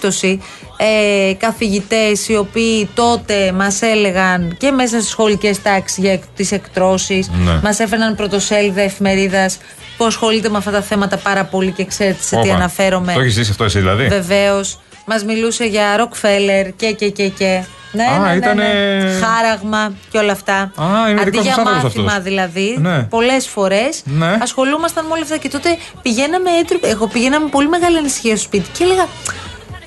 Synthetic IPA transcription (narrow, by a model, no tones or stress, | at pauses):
t̪osi | ekɐθiʝit̪e̞sio̞piːt̪o̞t̪e̞mɐse̞le̞ɣɐnce̞me̞sɐst̪i̥sxo̞lice̞st̪ɐksi̥zʝɐkt̪ise̞kt̪ɾo̞sisn̰mɐse̞fenɐnpɾo̞t̪o̞se̞lvɐefime̞ɾiðɐs | puɐsxo̞lit̪e̞meɐft̪ɐt̪ɐθe̞mɐt̪ɐpɐɾɐpo̞licekse̞ɾet̪i̥seiɐnɐfe̞ɾo̞me̞oçisis̬ɐft̪oesiðilɐ̰ðive̞ve̞o̞s | mɐzmiluse̞ʝɐɾo̞kfele̞ɾcececece | neeinɐnexɐɾɐɣmɐceo̞lɐːft̪ɐɐinɐeðik̪ioɐɐɐmɐsɐfθiomɐðilɐðinepo̞le̞sfo̞ɾe̞sneɐsxo̞lumɐst̪ɐnmeolɐft̪ɐce̞t̪o̞t̪e̞ | piʝe̞nɐme̞ed̪ɾieɣo̞piʝenɐmepo̞lime̞ɣɐliɐnisi̥çiɐst̪ospit̪i̥ceeleɣɐ